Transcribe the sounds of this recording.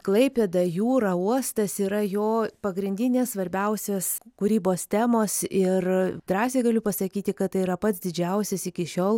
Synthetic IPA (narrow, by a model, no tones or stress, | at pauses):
klˠɐɪpʲed̪ɐjuːɾɐuɔst̪ɐsiːɾɐjoːpɐɡɾʲɪnʲd̪ʲɪnʲeːssʋɐɾʲbʲɛʊsʲeːskuɾʲiːboːst̪ʲæːmoːsɪrd̪ɾɑːsʲeːɡɐlʲʊpɐsɐkʲiːt̪ʲɪkɐttɐɪiɾɐpɐt̪sd̪ʲɪd͡ʒʲɛʊsʲɛsɪkʲɪʃʲoːlˠ